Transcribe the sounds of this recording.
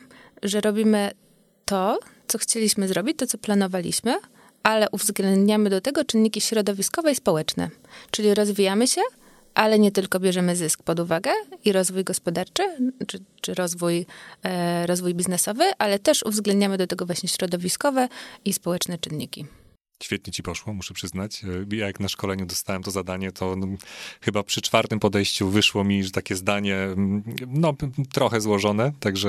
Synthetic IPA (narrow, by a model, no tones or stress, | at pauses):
ʐɛɾɔbʲimɘ | t̪ɔt̪sɔxt͡ɕelʲiɕmɘzɾɔbʲit͡ɕt̪ɔt̪sɔplanɔvalʲḭɕmɘ | ʔalɛʔuvzɡlɛnd̪ɲamɘd̪ɔt̪ɛɡɔt͡ʂɘnːikʲiɕɾɔd̪ɔvʲiskɔvɛispɔwɛt͡ʂnɛ̰t͡ʂɘlʲiɾɔzvʲijamɘɕɛ | ʔalɛɲɛt̪ɘlkɔbʲjɛʐɛmɘzɘsk̚pɔd̪uvaɡɛiɾɔzvujɡɔspɔd̪aɾt͡ʂɘ | t͡ʂɘɾɔzvuj | ɾɔzvujbʲiznɛsɔvɘʔalɛt̪ɛʂuvzɡlɛnd̪ɲamɘd̪ɔt̪ɛɡɔvwaɕɲɛɕɾɔd̪ɔvʲiskɔvɛispɔwɛt͡ʂnɛt͡ʂɘnːḭkʲi | ɕfʲjɛt̪̚ɲɛt͡ɕipɔʂwɔmuʂɛpʂɘznat͡ɕjajaknaʂkɔlɛɲud̪ɔst̪awɛmt̪ɔzad̪aɲɛt̪ʰɔ | xɘbapʂɘt͡ʂfaɾt̪ɘmpɔd̪ɛjɕt͡ɕuvɘʂwɔmʲiʐɛt̪akʲɛzd̪aɲɛ | nɔt̪ɾɔxɛzwɔʐɔnɛt̪aɡʐɛ